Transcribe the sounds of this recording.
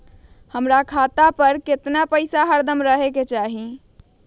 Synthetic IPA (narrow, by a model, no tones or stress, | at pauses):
həmɾakʰat̪apəɾket̪napəɪsaɦaɾd̪əmɾəɦeket͡ʃaɦi